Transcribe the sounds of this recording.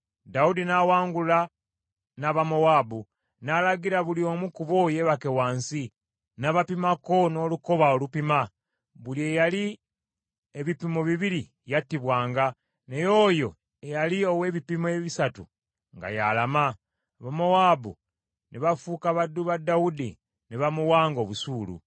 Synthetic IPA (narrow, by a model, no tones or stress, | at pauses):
daudinawaːŋɡula | naβamo̞waːbu | nalaɡiɾaβulio̞mukuβo̞je̞βake̞waːnsi | naβapimako̞no̞ːluko̞βaolupima | βulie̞jali | eβipimoβiβiɾi | jatːiβwaːŋɡa | ne̞joːjo̞ | ejalio̞we̞ːβipimoeβisatu | ŋɡa̰jalama | βamowaːbu | neβafuːkaβadːuβadaudi | neβamuwaːŋɡoːβusuːlṵ